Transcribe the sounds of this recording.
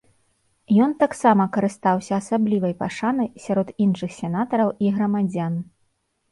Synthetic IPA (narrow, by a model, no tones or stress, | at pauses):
jɔnt̪aksamɐkɐɾɨst̪awsʲɐːsablʲivɐjpaʂanɐjsʲaɾɔd̪inʂɨxsʲɛnat̪ɐɾɐwʔiɣɾɐmad͡zʲan